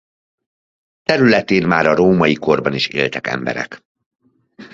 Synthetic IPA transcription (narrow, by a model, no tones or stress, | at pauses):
t̪ɛɾylɛt̪eːnmaːɾɒɾoːmɒjiko̞rbɒniʃḛːlt̪ɛkɛ̰mbɛ̰ɾɛ̰k